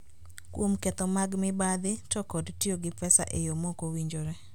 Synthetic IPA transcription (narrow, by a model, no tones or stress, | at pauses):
kwomkɛt̪ɔmaɡmɪbad̪ɪtɔkɔdtjoɡɪpɛsa̰ʔejomokowiɲd͡ʒoɾɛ